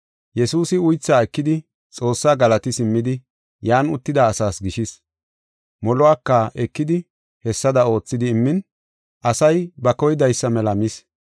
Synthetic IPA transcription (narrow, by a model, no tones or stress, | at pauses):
jɛsuːsɪʊjt͡sːaːɛkːɪd̪ɪ | t͡sʼo̞ːsːaːɡɐlɐt̪ɪsɪmːɪd̪ɪ | jaːnʊt̪ːɪd̪aːsaːsɡɪʃɪs | mɔlɔwaːkːɐɛkːɪd̪ɪ | hɛsːɐd̪ɐo̞ːt͡sːɪd̪ɪːmːɪn | ʔɐsɐjbɐkɔjɪd̪ɐjsːɐmɛlɐmɪs